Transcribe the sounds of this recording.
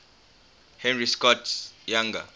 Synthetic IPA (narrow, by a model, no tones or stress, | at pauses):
hɛnriskɔtʰjaŋɡa̰